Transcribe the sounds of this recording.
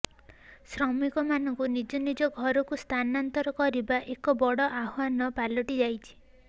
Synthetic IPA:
sɾɔmikɔmanɔŋkunid͡ʒɔnid͡ʒɔɡʱɔɾɔkust̪ʰanant̪ɔɾɔkɔɾibaʔekɔbɔɽɔʔaɦwanɔpalɔʈid͡ʒajt͡ʃʰi̥

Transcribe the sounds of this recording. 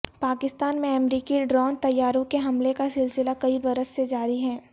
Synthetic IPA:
paːkɪst̪aːnmẽɐmɾiːkiɖɾɔːnt̪ɐjːaːɾõkeɦɐmlekasɪlsɪlakɐibɐɾəsːed͡ʒaːɾiɦɛː

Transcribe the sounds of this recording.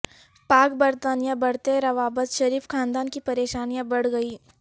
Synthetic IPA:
paːkbɐɾt̪aːnijãbɐɽ̤t̪eɾɐʋaːbət̪ʃɐɾiːfkʰaːnd̪aːnkipɐɾeːʃaːnijãbɐɽ̤ɡɐiː

